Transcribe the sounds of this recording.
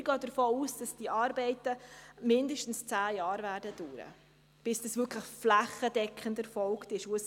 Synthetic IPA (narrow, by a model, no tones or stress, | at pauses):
ɡ̥ɑːd̥əɾfoːuːsd̥ɑsd̥iʔɑːɾbɛɪtəmɪndəʃtn̩st͡sæːjɑːɾvæːɾdəd̥uːɾə̰ | b̥ɪsd̥ɑsvʏkʰləχflæχədɛkχəndɛfɔlktɪʃuəs